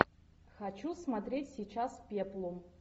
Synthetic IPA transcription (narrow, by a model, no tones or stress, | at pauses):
xɐt͡ɕusmɐt̪ɾʲetʲsʲijt͡ɕaspʲeplˠʊ